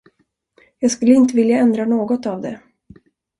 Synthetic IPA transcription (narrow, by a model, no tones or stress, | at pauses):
jɑːɡskɵlːəɪnt̪əvɪljaɛnd̪ɾanoːɡɔt̪avd̪ɛ